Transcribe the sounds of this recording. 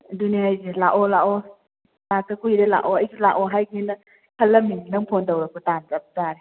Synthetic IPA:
duneŋajzelaʔɔlaʔɔ | lak̚tɐkujɾela̰ʔɔɐjsila̰ʔɔɦajɡinɐ | kʰɐlːɐminɐŋpʰondɐwɾɐkʰutanzɐp̚taɾe

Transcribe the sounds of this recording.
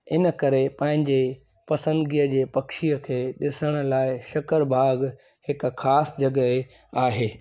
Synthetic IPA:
ɪnəkɐɾepɐ̃ɦɪ̃ɲd͡ʑe | pɐsə̃nd̪ɡiːəd͡ʑeːpɐkʃijəkʰeːɗɪsəɽ̃ʊ̆laːɪʃɐkəɾbʱaːɡ | hɪkxʰaːsd͡ʑɐɡəe | aːɦeː

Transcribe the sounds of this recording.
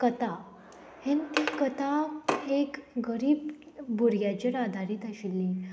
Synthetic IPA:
kət̪a | hent̪ikət̪aekɡəɾiːb | buɾjat͡ɕeɾad̪ʱaɾiːt̪aɕilːi

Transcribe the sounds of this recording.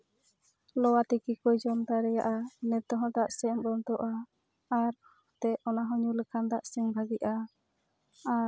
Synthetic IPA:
lɔwat̪ikikɔjd͡ʒɔmt̪aɾɛja̰ʔanɛt̪ɔɦɔ̃d̪aʔsɛmbɔnt̪ɔʔaː | ɾhɔt̪ɛɔnaɦɔɲuləkʰand̪aʔsɛŋbʱaɡiʔa

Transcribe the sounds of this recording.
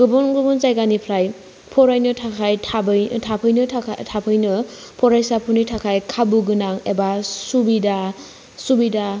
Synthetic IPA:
ɡɯbɔnɡɯbɔnzajɡanipʰlaj | pʰɔɾajnɯtʰaajʰabtʰapʰɯjnɯtʰapʰɯjnɯ | pʰɔɾajsapʰunitʰakʰajkʰabuɡɯnaŋebasubida | subida

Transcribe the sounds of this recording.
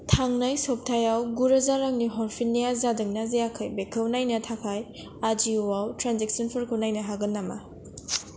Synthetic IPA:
tʰaŋnajsop̚tʰajawɡuɾɐzaɾaŋniɦɔɾpʰinːijazadɯŋnazejakʰɯjbekʰɯwnajnɐtʰakʰaj | ad͡ʒiwawtɾanzek̚sɔnpʰɯɾkʰɯwnajnɐɦaɡɯnːama̰

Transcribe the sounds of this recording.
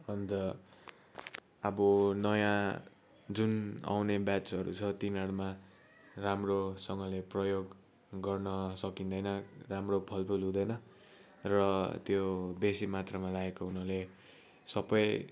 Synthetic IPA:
ʌnd̪ʌ | bʌnʌjã | d͡zuna̰wnebjat͡sɦʌɾṵt͡sʰʌt̪inaɽma | ramrosʌŋɡʌleprʌjoɡ | ɡʌrnʌsʌkind̪ʌjnʌramrobʰʱʌlpʰulɦũd̪ʌjnʌ | rʌt̪jobesimat̪rʌmalaekounʌle | sʌbʌj

